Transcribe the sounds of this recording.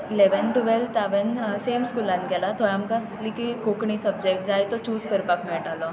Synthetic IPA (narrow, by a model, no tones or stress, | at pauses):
leʋənʈuʋelt̪abənseːmskuːlãnkelat̪oamkaslikikoːkɳisɐb̚d͡ʒekʈd͡ʒaːjt̪ot͡ʃuːzkəɾpakmɛ̃ːʈalõ